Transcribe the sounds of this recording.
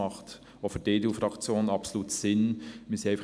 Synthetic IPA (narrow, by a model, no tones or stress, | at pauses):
ɑχt | ofədeːdeuːfɾɑkt͡sjoːnnɑpsoluːtsɪnmɪsaɪf